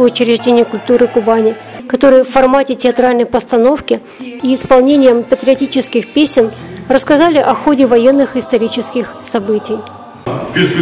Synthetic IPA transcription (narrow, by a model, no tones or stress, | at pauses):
əʊt͡ɕɪɾʲɪʐdʲenʲɪjəkʊlʲt̪uɾɨkʊbanʲɪ | kɐt̪o̞ɾɨjəfːɐrmatʲɪtʲɪɐt̪ɾalʲnəjpəst̪ɐno̞fkʲɪ | iɪspɐlˠnʲenʲɪjəmpət̪ʲɾʲɪɐtʲit͡ɕɪskʲɪxpʲesʲɪnrəskɐzalʲɪʔɐxo̞dʲɪvɐjenːɨxɪst̪ɐɾʲit͡ɕɪskʲɪxsɐbɨtʲɪj